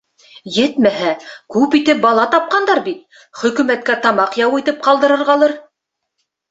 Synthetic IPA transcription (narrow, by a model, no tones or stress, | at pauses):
jɘt̪mæɦækʉpit̪ɘp̚bɑlˠɑt̪ɑp̚qɑnd̪ɑɾbit̪̚ | χɵ̆kʉ̆mæt̪̚kæt̪ɑmɑqjɑwit̪ɘp̚qɑlˠd̪ɤ̆ɾɤ̆ɾʁɑlˠɤɾ